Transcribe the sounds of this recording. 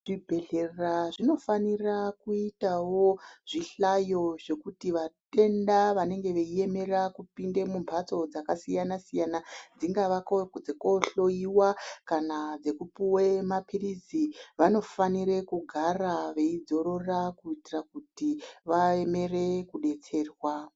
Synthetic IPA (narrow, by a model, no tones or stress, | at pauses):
ʐ̥ibʱe̞ɮerraʐino̞fanirakuitawo̞ʐ̥iɬajo̞ʐe̞kutiʋate̞ndaʋane̞ŋɡe̞ʋe̞ie̞me̞rakupinde̞mumpʰat͡so̞d͡zakasijanasijanad͡ziŋɡaʋakod͡zeko̞ɬo̞iwakanad͡ze̞kupuwemapʰiriziʋano̞faniɾe̞kuɡʱaraʋe̞id͡zo̞ɾo̞rakuitirakutiʋaeme̞re̞kuɗe̞t͡se̞ːrwa